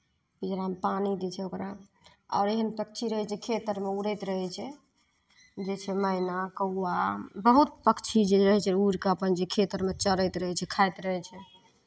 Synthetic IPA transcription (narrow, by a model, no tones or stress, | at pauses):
bid͡ʒɾampanid̪it͡ʃʰɛokɾa | ɔ̰ːɾeɦənpək̚t͡ʃʰiɾəɦɛt͡ʃʰɛkʰet̪əɾmeuɽəjt̪ɾəɦɛt͡ʃʰɛ | d͡ʒet͡ʃʰɛmənakəwːabəɦut̪̚pəkt͡ʃʰid͡ʒeɾəɦɛt͡ʃʰɛuɾkeəpənd͡ʒekʰet̪əɾmet͡ʃəɾəjt̪ɾəɦɛt͡ʃʰɛkʰajt̪ɾəɦɛt͡ʃʰɛ